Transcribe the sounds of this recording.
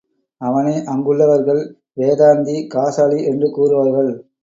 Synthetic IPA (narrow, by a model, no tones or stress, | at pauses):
ɐʋɐnɐːʔɐŋɡɯɭːɐʋɐɾɣɐɭ | ʋeːðaːnd̪ikaːsaːɭiʔɛndrɯkuːrɯʋaːɾɣɐɭ